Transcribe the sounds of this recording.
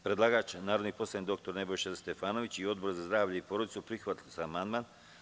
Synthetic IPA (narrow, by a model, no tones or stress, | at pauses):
pɾe̞d̪lˠaːɡaːt͡ʃnaːɾo̞d̪nipo̞slˠajnd̪o̞k̚t̪o̞ɾne̞bo̞jʃest̪e̞faːnoʋit͡ɕio̞d̪̚bo̞ɾzazd̪ɾaːʋʎeipoɾod̪itsupɾixʋat̪lʲosaːmand̪man